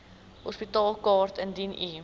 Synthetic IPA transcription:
ɦɔspitɑːlˠkɑːrtəndini

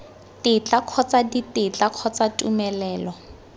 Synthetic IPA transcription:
tɪt͡ɬaq͡χʰɔt͡saditɪt͡ɬakʰɔt͡satʼumɛlɛːlɔ

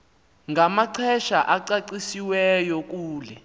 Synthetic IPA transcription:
ŋɡamaǀʰɛʃaʔaǀaǀisiwɛjɔk̬uːlɛ

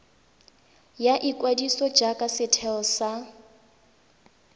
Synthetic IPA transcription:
jaʔikʼwadisɔd͡ʒakʼasɪtʰɛsa

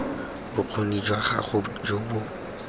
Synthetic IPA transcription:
bʊq͡χʰonid͡ʒwaχa̰χʊd͡ʒobʊ

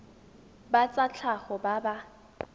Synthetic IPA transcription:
bat͡sʼat͡ɬʰaχɔbaba

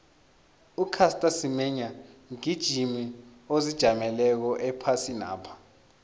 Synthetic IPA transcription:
ukʰastʼasimɛɲaŋid̥ʒ̥ʱimiozid̥ʒ̥ʱamɛlɛk̬ɔʔɛpʰasina̰ːpʰḁ

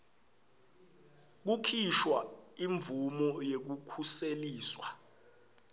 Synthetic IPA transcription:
k̬ukʰiʃwa | iɱvumɔjek̬ukʰuseliːswa

